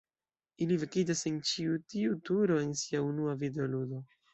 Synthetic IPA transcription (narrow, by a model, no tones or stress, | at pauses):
ilivikid͡ʒase̞nt͡ʃiutiutuɾo̞e̞nsiaunuavideoludo̞